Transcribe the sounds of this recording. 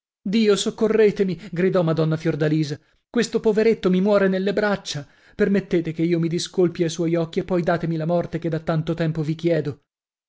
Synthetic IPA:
d̪iːosokːorːeːt̪emiɡɾid̪ɔmad̪ɔnːafjord̪aliːza | kwest̪opoveɾet̪ːomimwɔːɾenelːebɾat͡ʃːa | permet̪ːeːt̪ekeiːomid̪iskolpjajswɔjɔkːiepːɔjd̪aːt̪emilamɔrt̪eked̪ːat̪ːant̪ot̪ɛmpovikjɛːd̪o

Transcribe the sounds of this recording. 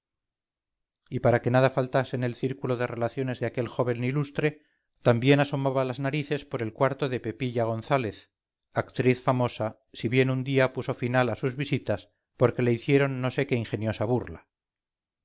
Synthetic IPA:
ipaɾake̞nað̞afalt̪ase̞ne̞lθiɾkuloðe̞re̞laθjo̞ne̞zðeake̞lxo̞βe̞nːilust̪ɾe̞ | t̪ambje̞naso̞maβalaznaɾiθe̞spo̞ɾe̞lkwaɾt̪oðepe̞piʎaɣ̞o̞nθale̞θ | akt̪ɾiθfamo̞sa | siβje̞nund̪iapuso̞finalasuzβisit̪as | po̞ɾke̞le̞iθje̞ɾo̞nːo̞se̞ke̞iŋxe̞njo̞saβurla

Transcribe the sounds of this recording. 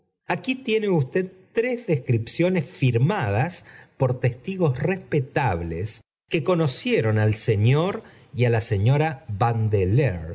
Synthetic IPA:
akit̪je̞neust̪e̞ð̚t̪ɾezðeskɾipsjo̞nesfiɾmað̞aspo̞ɾt̪est̪iɣo̞srespet̪aβlḛs | ke̞ko̞no̞sjeɾo̞nalseɲo̞ɾ | ialase̞ɲo̞ɾaβand̪eleɾ

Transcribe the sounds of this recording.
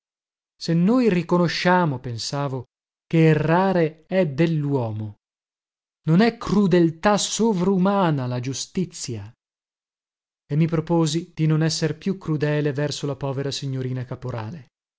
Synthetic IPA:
senːoːjrikonoʃːaːmopensaːvo | k̟eːrːaːɾeɛd̪elːwɔːmo | nonɛkɾud̪elt̪asovɾaumaːnalad͡ʒust̪it̪sːja | emːipɾopoːzid̪̥inonɛsːerpjukːɾud̪ɛːlevɛrsolapɔːveɾasiɲːoɾiːnakapoɾa̰ːle

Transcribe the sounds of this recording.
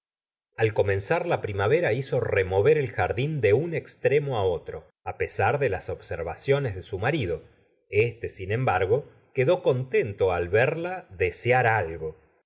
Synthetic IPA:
alko̞mẽ̞nsaɾlapɾimaβeɾaiso̞remo̞βeɾe̞lxaɾðind̪e̞unekst̪ɾemo̞ao̞t̪ɾo̞ | apesaɾðe̞laso̞βseɾβasjo̞nezðe̞sumaɾiðo | est̪e̞sinẽ̞mbaɾɣo̞ | keðo̞ko̞nt̪e̞nt̪o̞alβeɾlaðesjaɾalɣo̞

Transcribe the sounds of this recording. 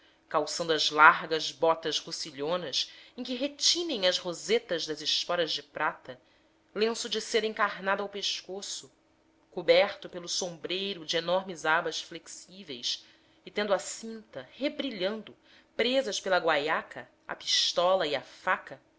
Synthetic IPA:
kawsɐ̃nd̪uɐzlaɾɡɐzbɔt̪ɐzʁusiʎõnɐsẽkɪɦet͡ʃĩnẽj̃ɐzhozet̪ɐʒd̪ɐzɪʃk̪ɔɾɐzd͡ʒɪpɾat̪ɐ | lẽsʊd͡ʒɪseɾẽŋkaɾnad̪ʊawpeʃkosʊ | kubɛɾt̪ʊpelʊsõmbɾejɾʊd͡ʒɪenɔɾmɪzabɐsfleksivejs | ɪt̪ẽnd̪asĩnt̪ɐhebɾiʎɐ̃nd̪ʊ | pɾezɐspelɐɡwajakʰɐ | ɐ̰pi̥ʃt̪ɔlɐiafakɐ

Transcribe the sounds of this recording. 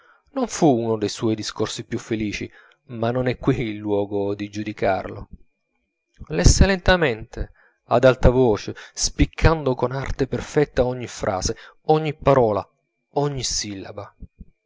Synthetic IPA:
noɱfuunod̪ejswɔjd̪iskorsipjufːeliːt͡ʃi | manːonɛkːwiːlːwɔːɡod̪id͡ʒud̪ika̰rlʊ̰ | lɛsːelent̪amɛnt̪e | a̰d̪alt̪avoːt͡ʃespikʰːand̪okonart̪eperfɛt̪ːaɔɲːifɾʔa̰ːze | ɔɲːipːaɾɔːla | ɔɲːisilːa̰ba

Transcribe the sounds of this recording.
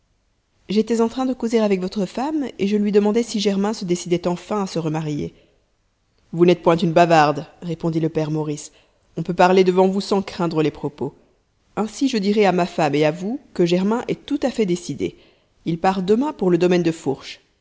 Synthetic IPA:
ʒet̪ɛzɑ̃t̪χɛ̃d̪əkozeʁavɛkvɔt̪χəfameʒəlɥid̪əmɑ̃d̪ɛsiʒɛʁmɛ̃səd̪esid̪ɛt̪ɑ̃fɛ̃asəʁəmaʁjḛ | vunɛt̪̚pwɛ̃t̪ynbavaʁd̪ʁepɔ̃d̪iləpɛʁmɔʁis | ɔ̃pøpaʁled̪əvɑ̃vusɑ̃kχɛ̃d̪ʁəlepχɔpo | ɛ̃siʒəd̪iʁɛamafameavukəʒɛʁmɛ̃ʔɛt̪ut̪afɛd̪esid̪ḛ | ilpaʁd̪əmɛ̃puʁləd̪ɔmɛnd̪əfuʁʃ

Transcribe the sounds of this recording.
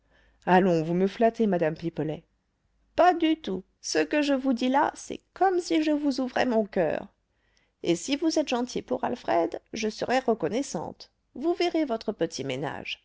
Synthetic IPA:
alɔ̃vuməflat̪emad̪ampipəlɛ | pad̪yt̪u | səkəʒəvud̪ila̰sɛ̰kɔmsiʒəvuzuvʁɛ̰mɔ̃kœ̰ːʁ | esivuzɛt̪ʒɑ̃t̪ʰipuʁalfχɛd̪ʒəsə̰ʁɛʁəkɔnɛsɑ̰̃t̪ | vuveʁevɔt̪χəpət̪ʰimena̰ʒ

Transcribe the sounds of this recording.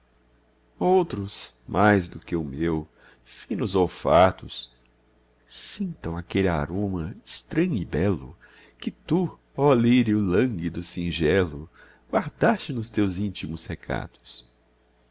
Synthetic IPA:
owt̪ɾʊs | mʔajzd̪ʊkɪʊmew | fĩnʊzowfat̪ʊs | sĩnt̪ɐ̃w̃akelɪa̰ɾõmɐɪst̪ɾɐ̃ɲʊɪbɛlʊ̰ | kɪt̪u | ɔliɾiʊlɐ̃ŋɡid̪ʊsĩʒɛlʊ | ɡwaɾd̪ast͡ʃɪnʊst̪ewzĩnt͡ʃimʊshekʰa̰d̪ʊ̥s

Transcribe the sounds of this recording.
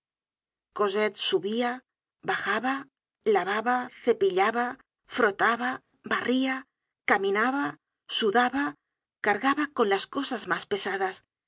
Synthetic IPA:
ko̞zet̪suβia | βaxaβa | laβaβaθe̞piʎaβa | fɾo̞t̪aβa | baria | kamĩnaβa | suðaβa | kaɾɣaβakonlasko̞sazmaspe̞saðas

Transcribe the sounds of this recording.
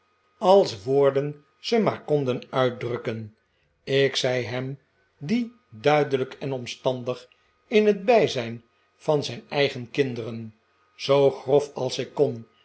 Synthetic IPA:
ɑlˠsʋoːɹdən | z̥əmaːɹkɔndənœɥt̚drɵkən | ɪksɛjɦɛm | di | dœɥdələkɛnɔmstɑndəχ | ɪnɦəd̚bɛjzɛjn | fɑnzɛjnɛjχənkɪndərən | z̥owχrɔfɑlˠsɪkːɔn

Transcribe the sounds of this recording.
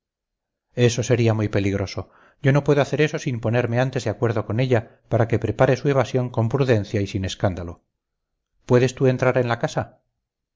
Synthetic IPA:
e̞so̞se̞ɾiamujpe̞liɣɾo̞so̞ | ɟ͡ʝo̞no̞pwe̞ðoaθe̞ɾe̞so̞simpo̞ne̞ɾmeant̪e̞zðeakwe̞ɾðo̞ko̞ne̞ʎa | paɾake̞pɾe̞paɾe̞sue̞β̞asjo̞ŋko̞mpɾuðẽ̞n̟θjaisine̞skand̪alo̞ | pwe̞ðe̞st̪ue̞nt̪ɾaɾe̞nlakasa

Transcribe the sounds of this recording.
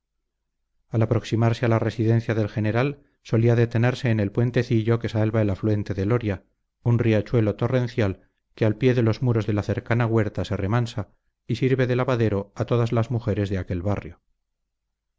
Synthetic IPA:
alapɾo̞ksimaɾse̞alare̞siðẽ̞n̟θjaðe̞lxe̞ne̞ɾal | so̞liaðe̞t̪e̞ne̞ɾse̞ːnelpwe̞nt̪e̞θiʎo̞ke̞salβaelafluwe̞nt̪e̞ðe̞lo̞ɾja | unriat͡ʃwe̞lo̞t̪o̞re̞nθjal | ke̞alpje̞ðe̞lo̞zmuɾo̞zðe̞laθe̞ɾkanaɣwe̞ɾt̪ase̞re̞mansa | isiɾβe̞ðe̞laβaðe̞ɾo̞at̪o̞ðazlazmuxe̞ɾe̞zðeake̞lβarjo̞

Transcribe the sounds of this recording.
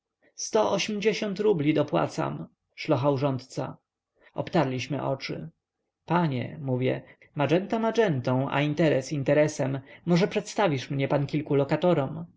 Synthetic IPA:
st̪ɔʔɔɕmd͡ʑeɕɔnt̪ɾublʲid̪ɔpwa̰t̪sa̰m | ʂlɔxawʐɔnt̪t̪sa̰ | ɔ̰pt̪aɾlʲiɕmɘ̰ʔɔ̰t͡ʂɘ̰ | paɲɛ̰muvʲjɛ̰ | maʐɛnt̪amad͡ʐɛnt̪ɔ̃w̃ʔa̰int̪ɛɾɛsint̪ɛɾɛsɛmːɔʐɛpʂɛt̪st̪avʲiʂmɲɛpankʲilkulɔkat̪ɔɾɔm

